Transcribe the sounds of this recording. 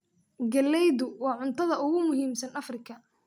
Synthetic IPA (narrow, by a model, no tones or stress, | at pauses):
ɡɐlɛjðʊwɑːʕʊnt̪ʰɐðɐʊɣʊmʊɦiːmsɐnɐfrɪkʰɐ